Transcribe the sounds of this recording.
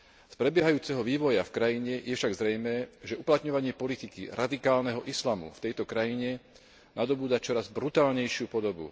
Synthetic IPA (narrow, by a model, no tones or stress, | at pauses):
spɾɛbɪjɛɦajuːt͡sɛɦɔʋiːʋɔjafkɾajiɲɛjɛfʃaɡzɾɛjmɛːʒɛuplat̪ɲɔʋaɲɪɛpɔlit̪ikḭɾad̪ikaːlnɛɦɔʔislamṵft̪ɛjt̪ɔkɾajiɲɛ | nad̪ɔbuːd̪at͡ʃɔɾazbɾut̪aːlɲɛjʃɪupɔd̪ɔbṵ